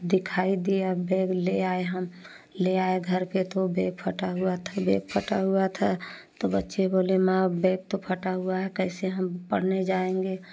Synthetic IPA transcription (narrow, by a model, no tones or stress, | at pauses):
d̪ɪkʰaːid̪iabeːɡleaeɦəm | leaeɡʱəɾpet̪obeːɡ̚pʰəʈaɦuat̪ʰabeːɡ̚pʰəʈaɦuat̪ʰa | t̪obətːʃeboːlemabeːɡ̚t̪opʰəʈaɦuaɦɛkəɪseɦəmpə̰ɽ̤ned͡ʒaẽŋɡe